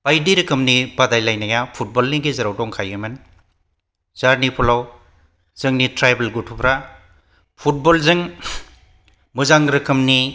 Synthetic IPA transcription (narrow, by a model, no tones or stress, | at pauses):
b̥ajdiɾɯkʰɯmnibadajlajnajapʰut̚bɔlniɡizɐɾawdɔŋkʰajɯmɯn | zaɾnipʰulaw | z̥ɯŋnitɾajbelɡutʰupɾa | pʰut̚bɔlzɯŋ | mɯzaŋɾɯkʰɯmni